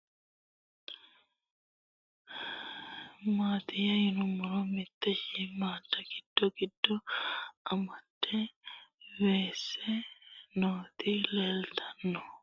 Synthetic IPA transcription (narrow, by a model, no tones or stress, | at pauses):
maːt̪ɪjɐjɪnʊmːʊɾɔmɪt̪ːɛʃɪmaːd̪ːɐɡɪd̪̥ːɔɡɪd̥ːɔʔɐmɐt̪ːɛ | weːsːɛnoːt̪ɪlɛelt̪ʰɐnːɔ